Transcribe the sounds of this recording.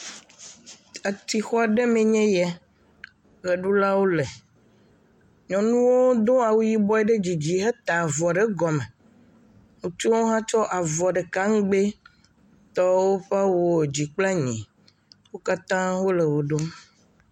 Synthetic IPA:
a˨t̪i˨xɔ˦a˨ɖe˦mẽ˨ɲɛ̃˦jɛ˦ | ɣe˨ɖu˦la˦wo˦le˨ | ɲɔ̃˨nũ˦wo˦d̪õ˦a˨wu˦ji˦bɔ˦ɛ˦ɖe˦d͡ʑi˨d͡ʑi˨ɦe˦t̪a˨vɔ˨ɖe˦ɡɔ˨me˨ | ŋũ˨t͡ʃo˦wo˦ɦã˦t͡ʃɔ˦ʔa˨vɔ˨ɖe˨ka˦ŋ˦ɡ͡be˦ | t̪ɔ˦wo˦ɸa˦wo˨d͡ʑi˨k͡pla˦ɲḭ̃˨ | wo˦ka˦t̪ã˦wo˦le˨wo˨ɖo˦m

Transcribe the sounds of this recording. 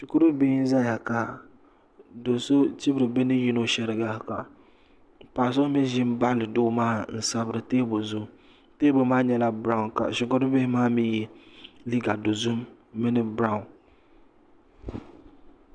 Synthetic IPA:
ʃi˨ku˦ɾo˦be˦n˦za˦˨ja˨ka˨ | do˨so˦t͡ʃi˦bɾɨ˨bɛ˦nɨ˦ji˦no˦ʃɛ˨ɾɨ˨ɡa˦˨ka˨ | pa˨s̬o˦mɛ˦ʒɪ˦mba˦lɨ˨do˦maː˦n̩˨sa˦bɨ˦ɾɨ˨teː˦bo˨zʊ˦m | teː˦bo˨maː˦ɲɛ˦la˦bɾa˦ʊ˦nka̰˨ʃi˨ko˦ɾʊ˦be˦hɪ˦maː˦mi˦jɛ˦li˦ɡa˨do˨zu˦mː | ɪ˦nɨ˦bɾa˦ʊ˦n

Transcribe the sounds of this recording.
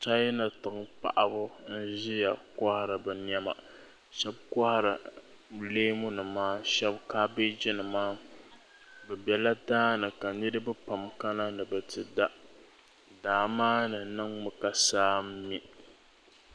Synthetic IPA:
t͡ʃa˦jna˨tɨ˨ŋ˦pa̰˨ʔa˨bʊ˦n̩˦ʒɪ˦ja˨ka˦ha˨ɾɨ˨bɛ˨ɲ˦ɛ˦ma̰˨ | ʃɛ˦b̚ka˦ha˨ɾɨ˨ | leː˦mʊ˦nɨ˨maː˦ʃɛ˦bkaː˦be˦d͡ʒɪ˦nɨ˨maː˦ | bɛ˨bɛ˨la˦daː˦nɨ˨ka˨nɨ˦ɾɨ˦bɨ˦pa˨mka˦na˦nɨ˨bɨ˨tɨ˨da˦ʔ | daː˨maː˦nɨ˨nɨ˦ŋmɨ˨ka˨saː˦m̩˦mi˦

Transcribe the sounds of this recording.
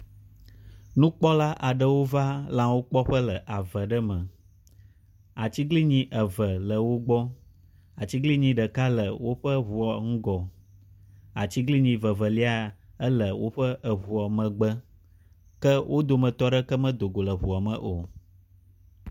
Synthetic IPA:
nũ˦k͡pɔ˦la˦ʔa˨ɖə˦wo˦va˦lã˨wo˦k͡pɔ˦ɸə˦lə˨ʔa˨və˨ɖə˦mə̃˨ | a˨t͡ɕi˦ɡli˦ɲĩ˨ʔə˨və˨lə˨wo˦ɡ͡bɔ˦ | a˨t͡ɕi˦ɡli˦ɲĩ˨ɖə˨ka˦lə˨wo˦ɸə˦βu˨ɔ˨ŋ̩˦ɡɔ˨ | a˨t͡ɕi˦ɡli˦ɲĩ˨və˨və˨li˦a˨ə˦lə˨wo˦ɸə˦ʔə˨βu˨ɔ˨mə̃˨ɡ͡bə˦ | kə˦wʔo˦d̪o˨mə̃˨t̪ɔ˦ɖə˦kə˦mə̃˦d̪o˨ɡo˨lə˨βu˨a˨mə̰̃˨ʔo˨

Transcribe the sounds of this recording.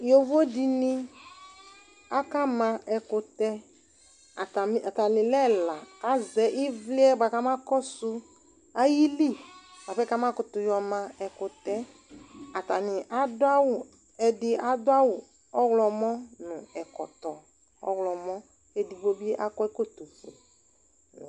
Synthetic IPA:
jo˨vo˦di˨nĩ˦ | a˦ka˦mã˧ɛ˨kʊ˧t̪ɛ˦ | a˨ta˨m˦a˨ta˨lɪ˨lɛ˦la˨ka˦zɛ˦ʔi˦vli˦ɛ˦ba˨ka˦ma˦kɔ˦sʊ˧ | a˦ji˦li˦˨b̥a˨fɛ˦ka˦mã˦kʊ˨t̪ʊ˨jɔ˨mã˧ɛ˨kʊ˨t̪ɛ˦ | a˨ta˨nɪ˨ʔa˨dʊ˦a˦wʊ˨ | ɛ˨dɪ˦a˨dʊ˦a˦wʊ˨ | ɔ˦wlɔ˨mɔ˦nʊ̃˨ɛ˨kɔ̰˨t̪ɔ˨ | ɔ̰˦wlɔ˨mɔ̃˦ | e˦di˨bo˦bi˦e˦ʔa˦kɔ˦ɛ˦ko˦˨t̪o˨fo̰˨

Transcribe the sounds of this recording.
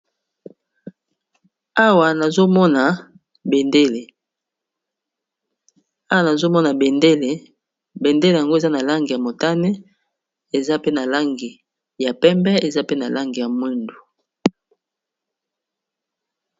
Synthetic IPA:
a˦wa˨na˨zo˦mɔ˦na˨ | be˨nde˦le˨ | a˦wa˨na˨zo˦mɔ˦na˨be˨nde˦le˨ | be˨nde˦le˨ja˨ŋɡo˦e˨za˦na˨la˦ŋɡi˨ja˨mo˨ta˦ne˦ | e˨za˦pe˦na˨la˦ŋɡi˨ | ja˨pɛ˦mbɛ˦e˨za˦pe˦na˨la˦ŋɡi˨ja˨mwe˦ndu˨

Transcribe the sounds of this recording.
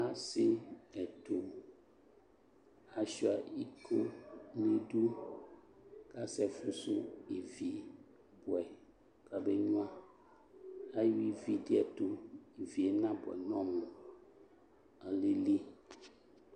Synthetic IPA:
a˦se˦ɛ˨t̪o˨ | a˨si˦a˨i˦kʰo˦nẽ˦ɖu˦ | ka˦sɛ˦fu˦su˦e˨vi˨ | bɔ˨ɛ˨ | ka˨be˦ɲũ˦ã˦ | a˦ju˦i˦vi˦di˦ɛ˨t̪o˦e˨vi˨e˨nã˦bɔ˨ɛ̰˨nɔ̃˦mũ˨ | a˨le˦li˦

